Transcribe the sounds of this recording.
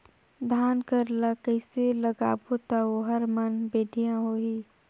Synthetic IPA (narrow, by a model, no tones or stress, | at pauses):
d̪ʱaːnkəɾlakəɪseləɡa̰ːbot̪aɦoɦəɾmənbeːɖʱijãɦoːiː